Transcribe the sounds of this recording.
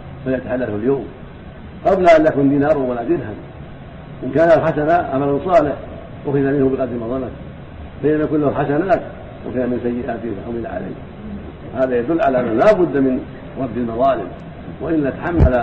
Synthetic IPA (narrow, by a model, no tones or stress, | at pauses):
faljat̪aħalːalhʊljoːm | qɑblaʔanjakuːnd̪iːnaːɾˤawalaːd͡ʒɪd̪han | ʔɪnkaːnalħasanaʕamalansˤɑːlɪħ | ʔʊxɪðamɪnhʊbɪɣɑd̪ɾimɑðˤɑna | faʔɪnːamajakuːnlahħasanaːt̪ | ʔʊ̰xɪamɪnsajːɪʔaːt̪ɪhfaħamɪlaʕa̰la̰ːh | haːðajad̪ʊlːʕa̰laʔanːahlaːbʊd̪ːmɪn | ɾɑbd̪almɑðˤɑːlɪ̰m | waʔɪlːat̪ḁħamːala